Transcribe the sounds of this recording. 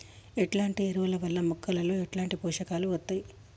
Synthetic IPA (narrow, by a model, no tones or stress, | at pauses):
eʈlaːɳʈieɾuʋɐlɐʋɐlːɐmukʰːɐlɐlo̞ːeʈlaːɳʈipɔːʂɐkaːluʋɐt̪ːaːji